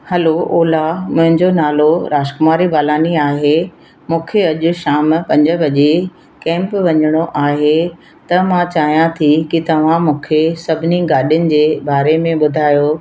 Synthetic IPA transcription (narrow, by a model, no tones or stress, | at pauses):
hɐlooːlamʊ̃ɦɪ̃ɲd͡ʑonaːloɾaːʃkʊmaːɾibaːlaːniaːɦe | mũːkʰeɐʄʊ̆ʃaːmpɐ̃ɲd͡ʑə̆bɐʄe | kɛ̃ːmpʋɐɲəɽ̃oʔaːɦe | t̪ɐmãt͡ɕaːɦijãt̪ʰikɪt̪ɐʋ̤ãmũːkʰesɐbʱɪniɡaːɗijʊnɪ̆d͡ʑeːbaːɾemẽɓʊd̪ʱaːjoː